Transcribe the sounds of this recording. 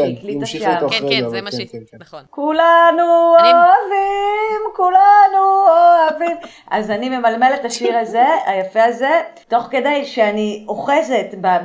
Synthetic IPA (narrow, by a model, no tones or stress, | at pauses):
iklitaʃa | kulanuoavimkulanuoavim | ʔa̰zanime̞malme̞letaʃiʁaze̞ajafeaze̞to̞χke̞dajʃeanioχe̞ze̞tba